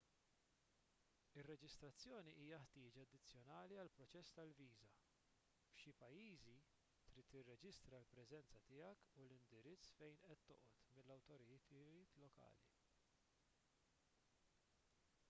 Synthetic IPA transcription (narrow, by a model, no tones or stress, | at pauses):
ɪrːɛd͡ʒɪst̪ɾɐt͡sːjɔːniʔiːjɐħt̪ɪːd͡ʒɐɐd̪ːɪt͡sːjɔnɐːliɐlpɾɔt͡ʃɛsːt̪ɐlviːzɐ | fʃipɐjːiːzi | t̪ɾiːt̪ːɪrːɛd͡ʒɪst̪ɾɐlpɾɛzɛnt͡sɐt̪ɪjɐkulɪnd̪ɪɾɪt͡sːfɛjnʔɛt̪ːɔʔɔt̪mɪlːɐwt̪ɔɾɪɪːt̪lɔkɐ̰ːlḭ